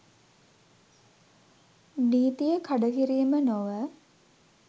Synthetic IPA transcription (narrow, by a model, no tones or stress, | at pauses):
niːt̪ijəkʰaɖəkiɾiːmənoʋə